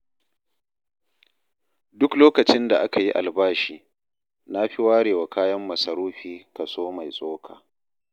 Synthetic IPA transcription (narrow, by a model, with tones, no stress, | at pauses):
dʊ˦kloː˦kɐ˨t͡ʃɪ˦nda˨ʔa˦ka˨ji˦ʔa̰˨lbaː˦ʃiː˨ | na˦ɸi˦waː˦ɽeː˨wa˨kaː˦jɐ˦mːɐ˨sɐ˨ɾuː˦ɸiː˦kɐ˨soː˦ma˨jsʼoː˦kʰaː˨